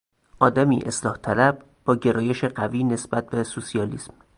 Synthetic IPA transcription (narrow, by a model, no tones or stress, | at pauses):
ʔɒːd̪æmiːʔe̞̰slɒːht̪ʰælæb̚ | b̥ɒːɟe̞ɾɒːje̞ʃeɢæviːnesb̥æt̪̚be̞susiɒːlḭːsm